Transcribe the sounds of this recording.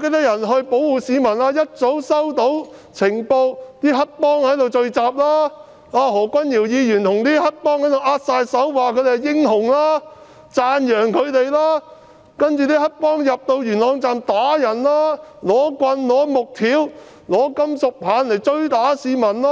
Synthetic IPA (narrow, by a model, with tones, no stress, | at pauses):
ke˧˥jt̪ɐ˥k̚jɐ˨˩nɦɵ˧ɥpo˨˥wwuː˨siː˨˧˥mɐ˨˩naː˧jɐ˥t̚t͡so˨˥wsɐ˥wt̪o˨˥wt͡sʰɪ˨˩ŋpo˧wt̪iː˥ɦɐ˥t̚pɔː˥ŋhɐ˨˥jt̪o˨wt͡ʃɵ˧ɥt͡saː˨p̚laː˥ | aː˧ɦɔː˨˩kʷɐ˥njiː˨˩wjiː˨˧jyː˨˩nt̪ʰʊ˨˩ŋt̪iː˥hɐ˥k̚pɔː˥ŋhɐ˨˥jt̪o˨wʔaː˥t̚saː˧jsɐ˨˥wwaː˨kʰɵ˧ɥt̪e˨˩˨jɪ˥ŋɦʊ˨˩ŋlaː˥ | t͡saː˧njœː˨˩ŋkʰɵ˨˧ɥt̪e˨jlaː˥ | kɐ˥nt͡ʃyː˨t̪iː˥hɐ˥k̚pɔː˥ŋjɐ˨p̚t̪o˧wjyː˨˩nlɔː˨˧ŋt͡saː˨mt̪aː˨˥jɐ˨˩nlaː˥lɔː˨˥kʷɐ˧nlɔː˨˥mʊ˨k̚t̪ʰiː˨˥w | lɔː˨˥kɐ˥msʊ˨k̚pʰaː˨˧nle˨˩jt͡ʃɵ˥ɥt̪aː˨˥siː˨˧mɐ˨˩nlaː˥